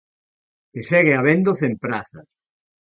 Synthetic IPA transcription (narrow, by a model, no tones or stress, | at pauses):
esɛɣeaβend̪oθempɾaθa̰s